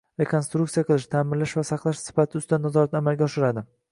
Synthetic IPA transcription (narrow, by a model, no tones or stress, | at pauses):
ɾe̞kʰo̞nst̪ɾuk̚t̪ijaqʰɨlˠɪʃt̪ʰamɪɾlaʃvasɑqlˠaʃsɪ̥fat̪ʰɪʊst̪anːazɒɾat̪namalɡʲaɒʃɪɾad̪ɪ